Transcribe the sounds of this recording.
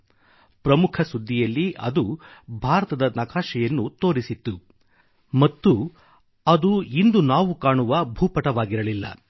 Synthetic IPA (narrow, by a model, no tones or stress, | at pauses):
pɾɐmukʰɐsud̪ʱːijɐlːiʔɐd̪ubʱaːɾɐt̪ɐd̪ɐnɐkaːʃɛjɐnːut̪o̞ːɾisit̪ːu | mɐt̪ːu | ɐd̪uind̪unaːʋukaːɳuʋɐbʱuːpɐʈɐʋaːɡiɾɐlilːɐ̰